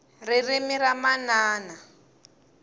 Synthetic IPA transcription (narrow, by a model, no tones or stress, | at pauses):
ririmiɾamanaːna